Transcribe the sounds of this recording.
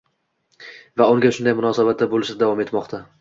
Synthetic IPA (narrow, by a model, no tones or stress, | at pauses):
vaʊŋɡʲaʃʊnd̪ajmʊnɒːsabat̪̚d̪abolˠɪʃad̪avɒme̞t̪mɒqt̪ʰa